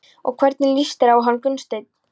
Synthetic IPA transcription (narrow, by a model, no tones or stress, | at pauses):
ɔ̰ɣkʰvɛɾt̪nɪlist̪ɪɾawɦanːkʏnst̪eɥt̪̚n̥